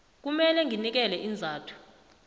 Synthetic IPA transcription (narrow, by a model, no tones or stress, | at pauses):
k̬umɛlɛŋʱinik̬ɛlɛʔind͡zʱaːtʰu̥